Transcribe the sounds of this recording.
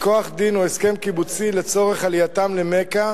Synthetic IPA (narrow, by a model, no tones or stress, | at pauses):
koaχd̪inoeske̞mkibut͡sile̞t͡so̞ʁe̞χalijatamlemeka